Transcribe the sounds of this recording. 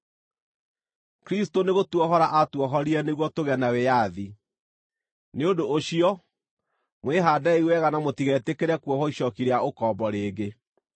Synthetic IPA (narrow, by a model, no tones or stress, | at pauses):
kɾistoneɣotwɔɦɔɾaʔatwɔɦɔɾiɛneɣwɔtoɣɛnawejaði | neodoʔoɕiɔ | mweɦaːdaiwɛɣanamotiɣɛtekeɾɛkuɔhɔiɕɔkiɾeaʔokɔmbɔɾeːɡe